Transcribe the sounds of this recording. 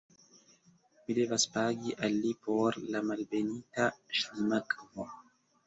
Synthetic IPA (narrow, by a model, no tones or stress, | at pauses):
mid̪ɛvaspaːɡiʔalːipɔɾlamalbeniːt̪aʃlimakʼmɔ